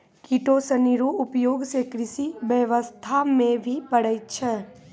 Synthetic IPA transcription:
kiʈosəniɾoʊpjoːɡsekɾɪsiʋjəʋəst̪ʰamẽbʱipəɽ̤əit͡ʃʰɛː

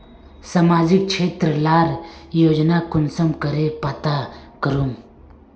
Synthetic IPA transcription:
samaːd͡ʒɪk̚t͡ʃʰeːt̪ɾəlaːɾjoːd͡ʒnakʊnsəmkəɾepaːt̪akəɾum

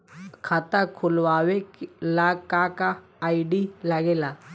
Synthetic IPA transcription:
kʰat̪akʰʊlʋaːʋeklakakaː | iɖilaɡeːla

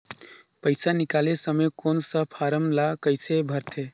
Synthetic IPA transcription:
pəɪsanikalesəmekonsəpʰaɾəmlakəɪsebʱəɾt̪ʰe

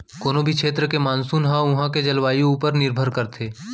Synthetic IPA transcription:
koːnobʱikʃʰeːt̪̬ɾəkemaːnsuːnɦãʊɦãked͡ʒɐlʋaːjũuːpəɾnɪɾbʱəɾkəɾt̪ʰeː

